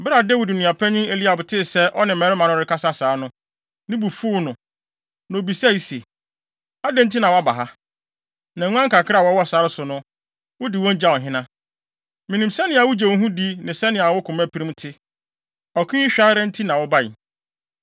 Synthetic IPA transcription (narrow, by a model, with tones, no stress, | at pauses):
bɪ˦ɾa˨dɛ˦wu˨du˨nĩ˨a˨pʰɛ˦ɲĩ˦e˨li˦a˨bʊ˨tʰɪ˦˨sɛ˦ʔɔ˦nɪ̃˨ɛ̃˨˦ɾɪ˦mã˨nʊ̃˦ɾɪ˨kʰa˦sa˦saː˨˦nʊ̃˦ | nɪ̃˦bu˨fu˦nʊ̃˨ | nã˨bi˨sɛ˦˨i˨se˨ | a˦dɛ̃˦n̩˦t̬ʰi˦nã˨wɔ˦a˦˨ba˨ɦa˦ | nã˨ŋũ˦ã˦ŋ̩˦kʰa˨kʰɪ˦ɾa˦˨wɔ˦wɔ˦˨saː˨˦ɾɪ˦sʊ˨nʊ̃˦ | wʊ˦dɪ˨wɔ̃˦n˦d͡ʑa˦˨ɔ˨ɦɪ̃˦nã˦ | mĩ˨nĩ˨msɛ˦nɪ̃˨a˨wʊ˦d͡ʑɛ˨wɔ˦ɦũ˦di˦nɪ̃˨sɛ˦nɪ̃˨a˨wʊ˦kʰʊ̃˨mæ̃˦pʰi˨ɾĩ˦mtʰɪ˦ | ɔ˨kʰĩ˦i˦ɕᶣa˦ɾɛ̃˦n̩˦tʰi˦nã˨wɔ˦ba˦˨ɪ˨